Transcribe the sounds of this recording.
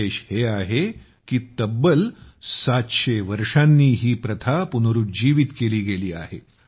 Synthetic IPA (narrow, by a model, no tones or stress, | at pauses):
eːɕheaɦe | kiːt̪əbːəlsat̪ɕeʋəɾʂanːiːɦiːpɾət̪ʰapunoɾuːd͡ʑiːʋit̪keliːɡeliːa̰ɦḛ